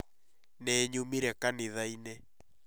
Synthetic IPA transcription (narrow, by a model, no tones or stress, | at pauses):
nɛɲomiɾɛkaneðainɛ